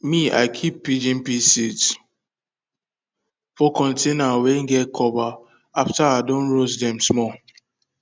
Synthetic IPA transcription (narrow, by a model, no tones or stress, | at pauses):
mia̰ɪkʰipːid͡ʒĩnpisit | fɔkɔ̃ntʰenaweŋ̩ɡɛtkʰɔva | aftaaɪdõnɹozdɛ̃msmɔ